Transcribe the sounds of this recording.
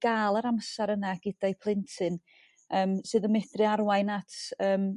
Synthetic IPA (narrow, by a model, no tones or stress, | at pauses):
ɡ̥aːlˠəɾamsaɾənaɡ̥ɪdajpʰlˠɪntʰɨn | əːmsɨːðəmɛdrɨaɾwajnatʰəːm